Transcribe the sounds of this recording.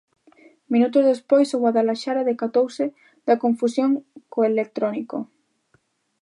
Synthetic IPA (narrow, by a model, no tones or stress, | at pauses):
mĩnut̪ozðespojsoɣwaðalaʃaɾaðekat̪owse | d̪̥akõɱfusjoŋkoelek̚t̪ɾoniko